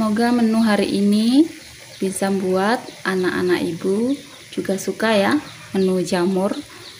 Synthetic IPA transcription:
səmoɡamənuɦaɾiʔini | b̥isambuat̪̚ʔanaʔa̰na̰kibu | d͡ʒuɡasukaja | mənud͡ʒamʊr

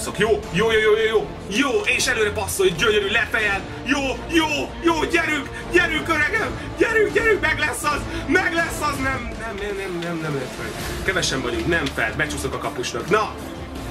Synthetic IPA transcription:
sokjoːjoːjoːjoːjoːjoː | joːeːʃɛløːɾɛpɒsːoliɟøɲøɾylɛt̪ɛjɛl | joːjoːjoːɟɛɾyk | ɟɛɾykøɾɛɡɛm | ɟɛɾykɟɛɾykmɛɡlɛsːɒzmɛɡlɛsːɒznɛmnɛmnɛmnɛmnɛmnɛmlɛsmɛ̰ɡ | kɛvɛʃɛmbɒluɡnɛɱfɛ̰lbɛt͡ʃusokɒkɒpuʃlɒknɒ

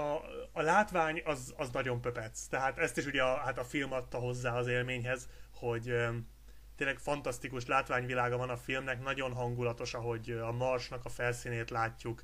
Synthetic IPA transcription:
ɒːlaːt̪ʋaːɲɒzɒznɒɟo̞mpø̞pɛt̪st̪ɛɦaːt̪ɛst̪iʃuɟɛɒhat̪ɒfilmɒt̪ːɒɦo̞zːaːɒzeːlmeːɲɦɛzho̞ɟø | t̪eːnlɛkfɒnt̪ɒst̪ikuʃlaːt̪ʋaːɲvilaːɡɒvɒnɒfilmnɛkn̪ɒɟo̞nɦɒŋɡulɒt̪o̞ʃɒɦo̞ɟɒmɒrʃnɒkɒfɛlsiːneːt̪laːcːuk

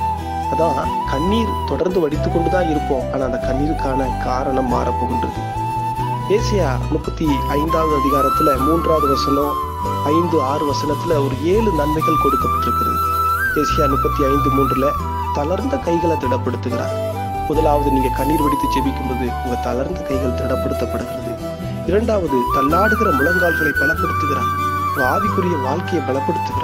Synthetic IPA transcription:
ɐðãː | kɐɳːiːɾt̪ɔɽɐɾnd̪ɯʋɐɽɪt̪ːɯkːɔɳɖɯt̪ãːɪɾɯkːõːʔaːnaːnd̪ɐkɐɳːiːɾɯkːaːnɐkaːɾɐɳɐmːaːɾɐpːoːɣɪɳdrɐðɯ̰ | eːsɐjaːnʊpːɐt̪ːiɐɪnd̪aːʋðɯɐðɪɣaːɾɐt̪ːɪlɐmuːndraːðɯʋɐsɐnõː | ɐɪnd̪ɯaːrɯʋɐsɐnɐt̪ːɪlɐɔɾɯeːɻɯnɐnmɐɪɣɐɭkɔɽɯkːɐpːɐʈːɪɾɯpːɐðɯ̰d̪eːsɪjaːnʊpːɐt̪ːiɐɪnd̪ɯmuːndrɪlɐ | t̪ɐlɐɾnd̪ɐkɐɪɣɐɭɐt̪ɪɽɐpːɐɽɯt̪ːɯɣɪɾa̰ː | mɔðɐlaːʋɐðɯniːŋɡɐkɐnːiːɾʋɐɽɪt̪ːɯt͡ʃɛʋɪkːɯmpoːðɯʊŋɡɐt̪ɐlɐɾnd̪ɐkɐɪɣɐɭt̪ɪɽɐpːɐɽɯt̪ːɐpːɐɽɯɣɪɾɐðɯ | ɪɾɐɳɖaːʋɐðɯt̪ɐlːaːɽɯɣɪɾɐmʊlɐŋɡaːlɣɐɭɐɪpɐɭɐpːɐɽɯt̪ːɯɣɪɾã̰ːʋaːðɪpːɯɾɪjɐʋaːɭkɐjɐɪpɐɭɐpːɐɽɯt̪ːɯɣɪɾa

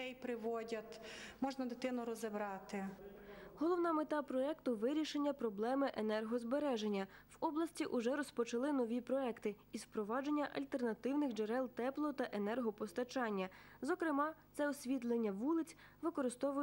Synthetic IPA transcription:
ɛjpɾɪʋɔdʲɐt̪ʲmɔʒnɐd̪ɪt̪ɪnʊɾɔzebɾɑt̪ɪ | ɦɔlˠɔwnɑmet̪ɑpɾɔɛkt̪ʊʋɪɾʲiʃenʲːɐpɾɔblˠɛmɪʔenɛrɦɔzbeɾɛʒe̞nʲːɐwɔblˠɐsʲtʲiʔʊʒɛɾɔspɔt͡ʃɐlˠɪnɔʋʲipɾɔɛkt̪ɪ | izpɾɔʋɑd͡ʒe̞nʲːɐʔɐlʲt̪e̞rnɐt̪ɪwnɪxd͡ʒeɾɛlˠt̪ɛplˠɔt̪ɐʔenɛrɦɔpɔst̪ɐt͡ʃɑnʲːɐ | zɔkɾɪmɑt̪sɛɔsʲʋʲit̪̬lˠenʲːɐʋulˠɪt͡sʲ | ʋɪkɔɾɪst̪ɔʋʊj

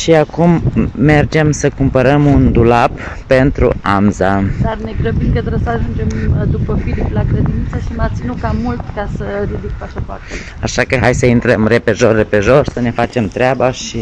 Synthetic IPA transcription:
ʃiakumːe̞rd͡ʒe̞msəkumpəɾəmund̪ulapː | e̞nt̪ɾṵamzad̪arne̞ɡɾəbimkət̪ɾəsəaʒund͡ʒe̞md̪upəfiliplakɾe̞d̪int̪səʃimat̪sinukamult̪kasərid̪ik̚paʃapoa̰t̪e | aʃakəɦajsəint̪ɾəmre̞pe̞ʒo̞rːe̞pe̞ʒo̞ʃsəne̞fat͡ʃe̞mt̪ɾeabaʃi

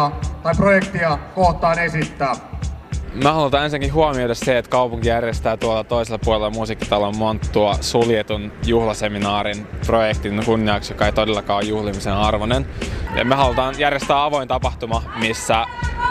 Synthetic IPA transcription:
t̪ɑiprojekt̪iɑkoht̪ːˑɑːnesit̪ːæː | mæhɑlut̪ɑːnensiŋkiɦuomiodɑsseet̪kɑupuŋkijærjest̪æːt̪uolːɑt̪oiselːɑpuolelːɑmusikːi̥t̪ɑlommont̪ːuɑsuljet̪unjuhlɑseminɑːɾinprojekt̪inkunːiɑksjokɑet̪odelːɑkɑːojjuhlimisenɑrʋonenjɑ̰mehɑlut̪ɑːnjærjest̪æːɑʋo̞int̪ɑpɑht̪umɑmisːæ

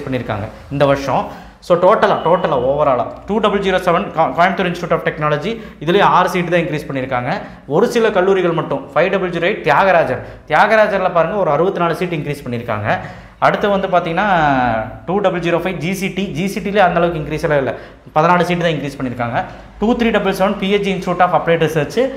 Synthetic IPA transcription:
spɐɳːɪɾɯkːa̰ːŋɡɐ | ɪnd̪ɐʋɐɾʂɐ̃ | soːʈoːʈːɐlaːʈoːʈːɐlaːoːʋɐɾaːɭɐ̰̃ʈuːɖɐbɪɭd͡ʒiːɾoːsɛʋɐnkaːjmt̪uɾɪnsʈɪʈuːʈːaːfʈɛknaːlɐd͡ʒi | ɪðɪlejaːɾɯsiːʈːt̪ãːɪŋkɾiːspɐɳːɪɾɯkːaːŋɡɐ | ɔɾɯsɪlɐkɐɭːuːɾɪɣɐɭmɐʈːʊ̃fɐɪɖɐbɪɭd͡ʒiːɾoɐɪʈ̚t̪jaːɣɐɾaːd͡ʒɐɾt̪ɪjaːɣɐɾaːd͡ʒɐɾɪlɐpaːɾɯŋɡɐɔɾɯɐɾɯbɐt̪ːɯnaːɭɯsiːʈːɪŋkɾiːspɐɳːɪɾɯkːa̰ːŋɡɐ | ɐɽɯt̪ːɐʋɐnd̪ɯpaːɾt̪iːŋɡɐnːaːʈuːɖɐbɯld͡ʒiːɾoːfɐɪd͡ʒisiʈid͡ʒiːsiʈileːɐnd̪ɐːlɐʋɯk̬ːɯɪŋkɾiːsɐlaːɪlːɐ | pɐðɐnaːɭɯsiːʈːt̪ãːɪŋkɾiːspɐɳːɪɾɯkːaːŋɡɐ | ʈuːt̪ɾiːɖɐbɐlsɛʋɐnpieiɪnsʈɾumɛɳʈaːfɐpːɽeːʈɾɪsɐːɾt͡ʃɯ

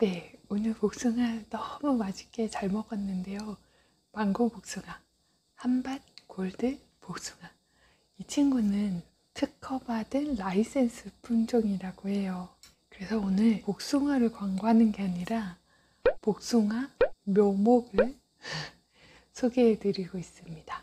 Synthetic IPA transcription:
ne̞onɯɭpok̚s͈ɯŋanʌmumad͡ʑik͈e̞t͡ɕaɭmʌɡʌnːɯnde̞jo | maŋɡopok̚s͈ɯŋa | hamban̚koɭdɯ | pok̚s͈uŋa | it͡ɕʰiŋɡunɯn | tʰɯkʰʌbadɯnlais͈e̞nsʰɯpʰund͡ʑoŋiɾaɡoɦe̞jo | kɯɾe̞sʰʌonɯɭpok̚s͈uŋaɾɯɭkwaŋɡoɦanɯnɡe̞aɲiɾa | pok̚s͈uŋamjomoɡɯɭ | sʰoɡeːtɯɾiɡois͈ɯmɲida

